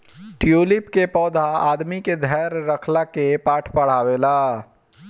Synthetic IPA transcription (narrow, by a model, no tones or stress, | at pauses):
ʈijoːlɪpkepɔːd̪ʱaaːd̪miked̪ʱɛːɾːəkʰlakepaːʈʰpəɽ̤aːwelaː